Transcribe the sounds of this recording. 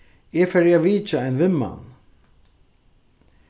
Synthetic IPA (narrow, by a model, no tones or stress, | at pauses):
jɛfɛɾjaviːt͡ʃaɛjnvɪmːa̰n